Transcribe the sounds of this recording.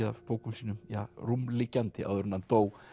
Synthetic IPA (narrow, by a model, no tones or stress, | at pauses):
ða̰poːwkʏmsiːnʏmja̰ːrumlicːant̪ɪa̰wðʏɾʏnːant̪oːw